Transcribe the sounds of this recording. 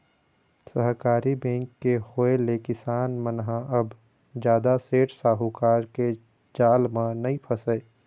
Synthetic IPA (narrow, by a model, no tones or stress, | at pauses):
səɦkaːɾibɛ̃ːŋkːehoːelekɪsaːnmənɦãʔɐb | d͡ʒjaːd̪aseːʈsaːɦukaːɾke | d͡ʒaːlmãnɐĩpʰəsəe